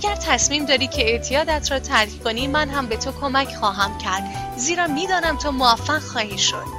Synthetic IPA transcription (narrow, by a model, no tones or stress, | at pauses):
æɟæɾt̪ʰæsmiːmd̪ɒːɾiːcʰeeʔt̪ʰijɒːd̪æt̪ʰɾɒːt̪ʰæɾkʰko̞niːmænɦæmbe̞t̪ʰokʰo̞mæcʰxɒːɦæmcʰæɾd̪̥ | ziːɾɒːmiːd̪ɒːnæmt̪ʰomoæfːæɣ̥xɒːhiːʃo̞̰d̪